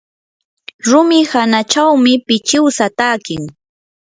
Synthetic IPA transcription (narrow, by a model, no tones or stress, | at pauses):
ɾʊmɪhanat͡ʃawmɪpɪt͡ʃɪwsat̪aːkɪŋ